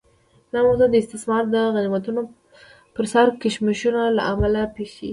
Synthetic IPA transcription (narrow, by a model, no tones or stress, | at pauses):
d̪ɑmawzud̪əɪst̪ɪsmɑɾd̪əɣanimat̪uno | pəɾsaɾkɪʃmɪʃunalaʔamalapexḭ